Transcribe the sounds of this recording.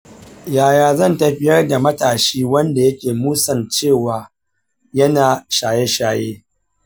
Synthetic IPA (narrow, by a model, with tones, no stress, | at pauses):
jaː˨jaː˨zɐ˦˨ntɐ˨ɸɪ˦jɐ˦rda˨mɐ˦taː˨ʃiː˦wɐ˦nda˨jɐ˦kʲeː˨muː˦sɐ˨nt͡ʃeː˦˨waː˨ | jɐ˦naː˨ʃaː˨je˦ʃaː˨jeː˦